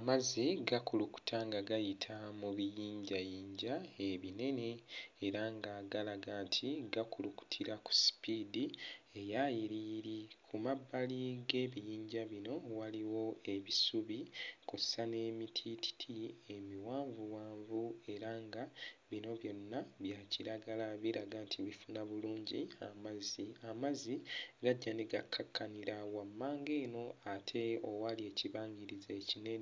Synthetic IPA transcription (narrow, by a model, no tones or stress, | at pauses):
amaziɡakuluku̥tʰaŋɡaɡajitʰamuβijiːɲɟajiːɲɟaeβine̞ne̞eɾaŋɡaɡalaɡatʰiɡakuluku̥tʰiɾaku̥si̥pidie̞jajiɾiːɾikʰumabːaliɡe̞ːβijiːɲɟaβino̞waliwo̞e̞βisuβikossane̞ːmitʰiti̥tʰie̞miwaːɱvuwaːɱvue̞ɾaŋɡaβino̞βjo̞nːaβjaciɾaɡalaβiɾaɡantʰiβifunaβuluːɲɟiamaziamaziɡaɟːaneɡakʰːakʰːaniɾawamːaːŋɡe̞ːno̞atʰe̞owalie̞ciβaːŋɡiɾizaecine